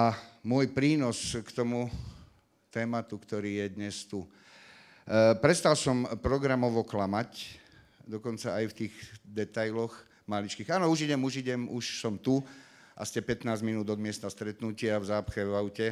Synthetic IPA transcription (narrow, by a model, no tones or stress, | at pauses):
amʊɔjpɾiːnɔskt̪ɔmu | t̪ɛːmat̪ukt̪ɔɾiːjɛd̪ɲɛst̪u | pɾɛst̪alsɔmpɾɔɡɾamɔʋɔklamac | d̪ɔkɔnt͡saajft̪iːɣd̪ɛt̪ajlɔx | malit͡ʃkiːɣaːnɔuʒiɟɛmuʒiɟɛmuʃsɔmt̪u | ʔa̰scɛpɛt̪naːzminuːd̪ɔd̪mɪɛst̪ast̪ɾɛt̪nucɪavzaːpxɛʋaʊcɛ